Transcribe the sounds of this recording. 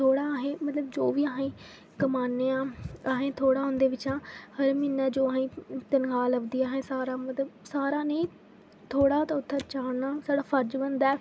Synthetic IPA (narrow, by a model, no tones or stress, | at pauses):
t̪ʰoːɽaːɦẽːmət̪ləbd͡ʒoːʋiːəɦẽː | kəmaːnːeːãːəɦẽːt̪ʰoːɽaːɦʊ̃nd̪eːʋɪt͡ʃãːhəɾmɪnːɛːd͡ʒoːaɦẽːt̪ənɡaːləbd̪iːaːɦẽːsaːɾaːmət̪ləbsaːɾaːnəĩː | t̪ʰoːɽaːt̪aːʊt̪ʰːaːt͡ʃaːnaːsaːɽaːpʰəɾd͡ʒbənd̪ɛː